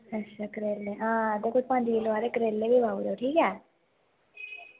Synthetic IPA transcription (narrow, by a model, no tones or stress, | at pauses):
əʃʰaːkəɾeːlːeːɦãːəd̪eːkʊd͡ʒpə̃ɲd͡ʒʋiːlaːɾeːkəɾeːlːeːbiːbaːuɾeoʈʰiːkɛː